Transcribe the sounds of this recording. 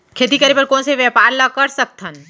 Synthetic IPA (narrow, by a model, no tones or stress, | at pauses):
kʰeːt̪ikəɾipəɾkõːnseʋjəpaːɾlakəɾsək̚t̪ʰən